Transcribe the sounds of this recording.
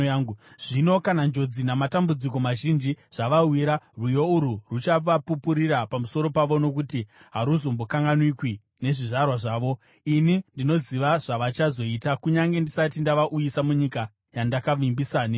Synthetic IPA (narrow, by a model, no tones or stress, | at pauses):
u | ʐ̥ino̞kanand͡ʒo̞d͡zinamatambud͡ziko̞maʒind͡ʒiʐ̥aʋawiɾarwujo̞uɾurut͡ʃaʋapupuɾiɾapamuso̞ɾo̞paʋo̞no̞kutiɦaɾuzo̞mbo̞kaŋɡanwikwi | ne̞ʐiʐarwaʐaːʋo̞ | inindino̞ziʋaʐaʋat͡ʃazo̞itakuɲaŋɡe̞ndisatindaʋaʔujisamuɲika | jandakaʋimbisaːni